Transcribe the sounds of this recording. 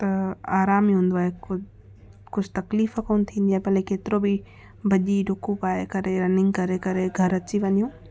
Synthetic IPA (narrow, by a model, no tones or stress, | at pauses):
t̪ɐaːɾaːmiɦũːn̆d̪oaːɦekʊ | kʊd͡ʑʱt̪ɐkliːfəkoːnt̪ʰĩːnd̪iaːɦepɐlekeːt̪ɪɾobi | bʱɐʄiɖʱʊkũpaːɦekɐɾeɾɐnɪ̃ŋɡkɐɾekɐɾeɡʱɐɾɐt͡ɕiʋɐɲijũː